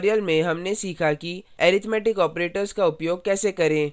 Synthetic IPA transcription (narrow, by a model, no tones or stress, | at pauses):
ɾijəlmẽɦɐmnesiːkʰakiɛːɾɪt̪ʰmɛːʈɪkɔːpɾeːʈəɾzkaʊpjoːɡ̚kɛːsekɐɾẽː